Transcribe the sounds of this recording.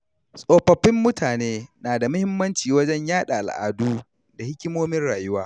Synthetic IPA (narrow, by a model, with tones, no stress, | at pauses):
sʼoː˨ɸɐ˨ɸːɪ˦mːʊ˦tʰaː˨neː˦naː˨da˨mʊ˦hɪ˦mːɐ˦nt͡ʃiː˨wɐ˦d͡ʒɛ˦ɲjaː˦ɗa̰˨ʔa̰˨lʔa̰ː˨duː˦ | da˨hɪ˦kʲɪ˦moː˦mɪ˦nɽaː˨jʊ˦waː˦